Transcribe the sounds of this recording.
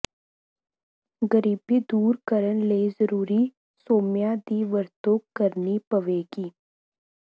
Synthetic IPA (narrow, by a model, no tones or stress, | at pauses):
ɡəɾiːbid̪uːɾkəɾənleːzəɾuːɾi | soːmjad̪iːʋəɾt̪oːkəɾnipəʋeːɡiː